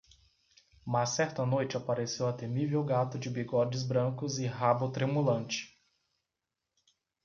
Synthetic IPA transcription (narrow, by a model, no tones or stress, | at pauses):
masːɛɾt̪ɐnojt͡ʃɪapaɾesewat̪emivewɡat̪ʊd͡ʒɪbiɡɔd͡ʒɪzbɾɐ̃kʊzɪɦabʊt̪ɾemulɐ̃nt͡ʃɪ̥